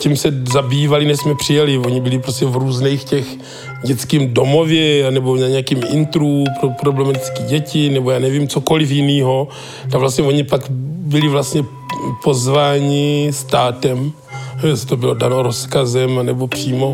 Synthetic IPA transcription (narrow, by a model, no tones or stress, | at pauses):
cimsɛzabiːvalɪnɛʃsmɛpr̝̥ɪjalɪo̞ɲɪbɪlɪpɾoscɛvɾuːznɛjxcɛx | ɟɛt͡skiːmdo̞mo̞vjɛanɛboɲaɲɛjakimɪ̰nt̪ɾupɾopɾoblɛmat̪ɪt͡skiːɟɛcɪnɛbo̞jaːnɛviːmt͡soko̞lɪfjɪniːɦo̞ | t̪akvlast̪ɲɛvoɲɪpakbɪlɪvlast̪ɲɛ | po̞zvaːɲɪst̪aːt̪ɛm | jɛsɪ̥t̪obɪlo̞danoɾoskazɛmnɛbo̞pr̝̥iːmo̞